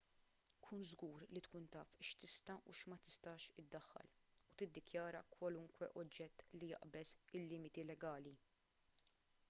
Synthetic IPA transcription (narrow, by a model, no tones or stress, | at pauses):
kʰuːnzɡuːɾlit̪kuːnt̪ɐːfʃt̪ɪst̪ɐuʃmɐt̪ɪst̪ɐːʃɪd̪ːɐħːɐ̰lut̪ɪd̪ːɪkjɐːɾɐ̰kwɐlʊŋkwɛ̰ʔɔd͡ʒːɛt̪ːlijɐ̰ʔbɛsɪlːɪːmɪt̪ilɛɡɐːli